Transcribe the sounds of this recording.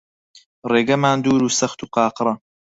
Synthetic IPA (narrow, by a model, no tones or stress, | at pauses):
reːɡɐmaːnd̪uːɾuːsɐxt̪uːqɑːqɾɐ